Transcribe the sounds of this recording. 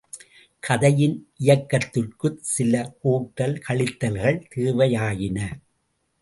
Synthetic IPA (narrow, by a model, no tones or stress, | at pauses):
kʰɐðɐjɪnʔɪjɐkːɐt̪ːɯʈkɯsɪlɐʔoːʈːɐlkʰɐɭɪt̪ːɐlɣɐɭt̪eːʋɐjaːjɪnɐ